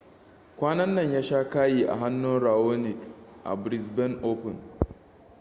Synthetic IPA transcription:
kʷaː˦nɐ˦nːɐ˦˨ɲjaː˦ʃaː˦kaː˦jiː˨ʔa̰˨ɦa˦nːʊ˦nɾaː˨oː˦nɪ˨kʔa̰˨bɾɪ˨sbɛ˦nʔoː˦pʊ˨n

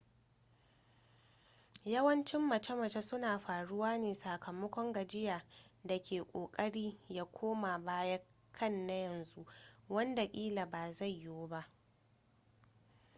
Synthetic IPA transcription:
jɐ˦wɐ˦nt͡ʃɪ˦mːɐ˨t͡ʃɐ˦mɐ˨t͡ʃa˦sʊ˦naː˨ɸaː˨ɽʊ˦waː˦neː˨saː˨kʰɐ˨mɐ˦kʷɔ˦ŋɡɐ˨d͡ʒɪ˦jaː˨da˨kʲeː˨kʷʼoː˨kʼɐ˦ɽiː˦jaː˦kʷʰoː˦ma˨baː˦ja˦ | kʰɐ˦˨nːa˦jɐ˨nzu˦ʔwɐ˦nda˨kʲʼiː˦la˨baː˨za˦˨jːoː˦ba˦ʔ

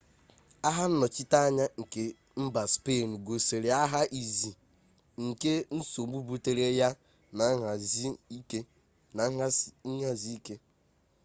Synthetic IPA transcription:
a˦ɦa˦n̩˦nɔ˨t͡ʃɪ˦ta˦a˦ɲa˦ŋ̩˨ke˨ | m̩˦ba˨spe˦˨n̩˨ɡo˨se˨ɾe˨a˦ɦa˦ʔi˨zi˨ | ŋ̩˨ke˦n̩˦so˨ɡ͡bu˦bu˦te˨ɾe˦ja˦ | na˨˦˨ke˦ | na˨˦ɦɲa˦zi˦i˦ke˦

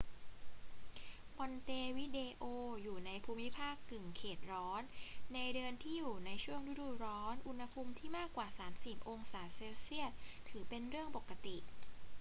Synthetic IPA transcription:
bɔ˧nt̪eː˧wi˦˥deː˧ʔoː˧juː˨˩na˧jpʰuː˧mːi˦˥pʰaː˥˩kːɯ˨˩ŋkʰeː˨˩t̪̚ɾɔː˦˥nːa˧jdɯ˧ənt̪ʰiː˥˩juː˨˩na˧jt͡ɕʰu˥˩əŋɾu˦˥duː˨˩ɾɔː˦˥nʔu˧nha˧pʰu˧mt̪ʰiː˥˩maː˥˩kwaː˨˩saː˩˦msi˨˩p̚ʔo˧ŋsaː˩˦seː˧wsi˥˩ət̪̚ʰːɯː˩˦pe˧nɾɯ˥˩əŋpo˨˩kːa˧t̪i˨˩ʔ

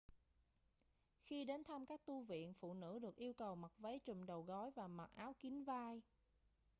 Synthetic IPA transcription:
xi˧ɗe˨˦nt̪ʰa˧mkaː˦˥k̚t̪u˧vḭ˧˨ənfṵ˧˨nɨ̰˧˥ɗɨ˨˩ək̚ʔi˧əwkə˨˩wma˨˩t̚və˨˦jt͡ɕɨ̰˨˩mɗə˨˩wɣɔ˨˦jvaː˨˩ma˨˩t̚ʔaː˨˦wki˨˦ŋvaː˧j

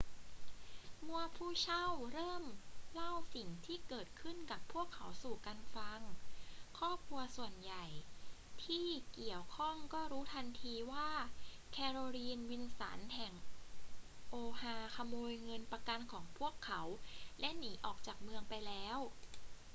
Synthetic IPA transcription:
mu˧ɐpʰuː˥˩t͡ɕʰa˥˩wɾɤː˥˩mla˥˩wsi˨˩ŋt̪ʰiː˥˩kɤː˨˩t̪̚kʰɯ˥˩nka˨˩pʰːu˥˩əkʰːa˩˦wsuː˨˩ka˧nfa˧ŋkʰɔː˥˩p̚kʰu˧ɐsu˨˩ənja˨˩j | t̪ʰiː˥˩ki˨˩əwkʰɔ˥˩ŋkɔː˥˩ɾuː˦˥t̪ʰa˧nt̪ʰiː˧waː˥˩ | kʰɛː˧ɾoː˧liː˧nwi˧nsa̰˩˦nɦɛ˨˩ŋ | ʔoː˧haː˧kʰa˧moː˧jŋɤ˧npa˧ka˧nkʰɔː˩˦ŋpʰu˥˩əkʰːa˩˦wlɛ˦˥ʔniː˩˦ʔɔː˨˩k̚t͡ɕaː˨˩k̚mɯ˧əŋpa˧jlɛː˦˥w

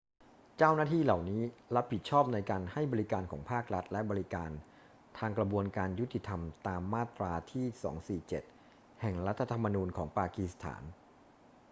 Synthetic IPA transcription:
t͡ɕaː˥˩wnaː˥˩t̪ʰiː˥˩la˨˩wniː˦˥ɾa˦˥p̚ʰːi˨˩t̪̚t͡ɕʰɔː˥˩p̚na˧jkaː˧nha˥˩jbɔː˧ɾi˦˥kaː˧nkʰɔː˩˦ŋpʰaː˥˩k̚ɾa˦˥t̪̚lɛ˦˥bɔː˧ɾi˦kaː˧n | t̪ʰaː˧ŋkɾa˧bu˧ənkaː˧nju˦˥t̪ʰːi˨˩t̪ʰa˧mt̪aː˧mːaː˥˩t̪ɾaː˧t̪ʰiː˥˩sɔ̰ː˩˦ŋsiː˨˩t͡ɕe˨˩t̪̚ | hɛ˨˩ŋɾa˦˥t̪ʰːa˧t̪ʰa˧mːa˧nuː˧nkʰɔː˩˦ŋpaː˧ki˩˥st̪ʰa̰ː˩˦n

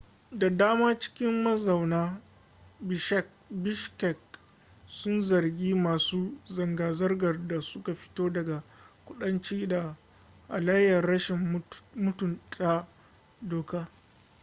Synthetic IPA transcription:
da˨daː˦maː˦t͡ʃɪ̥˦kʲɪ˦mːɐ˦zɐ˨wnaː˦ | bɪ˨ʃɛ˦k̚ | bɪ˦ʃkɛ˨k̚ | sʊ˦nzɐ˨rɡʲiː˦maː˨suː˦zɐ˨ŋɡaː˨zɐ˦rɡɐ˨rda˨sʊ˦ka˨ɸɪ̥˦toː˦dɐ˨ɡa˨kʷʊ˦ɗɐ˦nt͡ʃiː˦da˨ | ʔa˨la˦jɐ˨rɽɐ˦ʃɪ˨m˦mʊ˦tʊ˨nt͡ʃʼa˦ | doː˨kaː˦

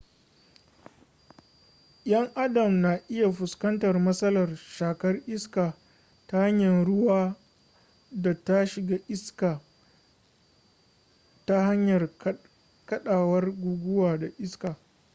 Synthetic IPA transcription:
jɐ˦ŋʔa˦dɐ˨mna˨ʔɪ˦ja˨ɸʊ˨skɐ˦ntɐ˨rmɐ˦sɐ˦lɐ˨rʃaː˨kɐ˦rʔɪ˦skaː˨ | ta˦ha˦ɲjɐ˨nɽʊ˦waː˦ | da˨ta˦ʃɪ˨ɡaː˦ʔɪ˦skaː˨ | ta˦ha˦ɲjɐ˨r | kɐ˦ɗaː˨wɐ˦rɡʷuː˨ɡʷʊ˦waː˨da˨ʔɪ˦skaː˨

